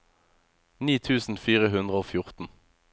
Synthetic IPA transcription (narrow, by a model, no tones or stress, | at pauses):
niːt̪ʰʉːsn̩fiːʁəɦʉnd̪ʁəoːfjʊʁt̪n̩